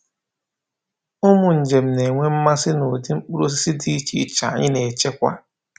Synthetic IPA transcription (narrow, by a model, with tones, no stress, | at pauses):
ʊ˦mʊ˨n̩˨d͡ʒe˨m̩˨ne˨ŋʷe˦m̩˦ma˦sɪ˦no˨di˦ŋ͡m̩˦k͡pu˦ɾo˦s̬i˦si˦di˦t͡ʃi˦t͡ʃa̰˨ɲɪ˦ne˨t͡ʃe˦kʷa̰˦